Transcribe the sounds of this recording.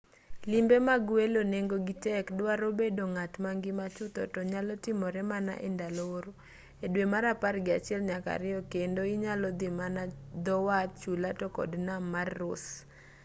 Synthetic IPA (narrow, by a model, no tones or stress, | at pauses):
lɪmbemaɡweloneŋɡoɡɪtɛkdwaɾobedoŋatmaŋɡɪmat͡ʃʊt̪ɔ̰tɔɲalɔtɪmɔɾɛmana̰ʔɛ̰ndalooɾo | edwemaɾaparɡɪat͡ʃɪɛlɲaka̰ɾɪɔkendoɪɲalɔd̪ɪmanad̪ɔwat̪̚t͡ʃulatɔkɔ̰dnamarːʊs